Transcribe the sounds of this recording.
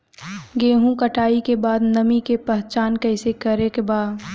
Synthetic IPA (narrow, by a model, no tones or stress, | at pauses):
ɡeːɦũkəʈʰaːikebaːd̪nəmikepəɦt͡ʃaːnkɛɪsekəɾekebaː